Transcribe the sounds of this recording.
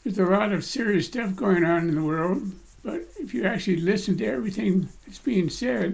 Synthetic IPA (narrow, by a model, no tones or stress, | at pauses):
ðə˞zəlɔɾʌv̥sɪɹiɨstʌfɡ̥oʊɪ̃ŋə̃nɨ̃nðəwɜ˞lˠd̚ | b̥ʌɾɪfjɨæk̚t͡ʃʉl̩ˠilɪsn̩tɨɛvɹiθɪ̃ŋðɨtsb̥iɪ̃ŋsɛd̥̚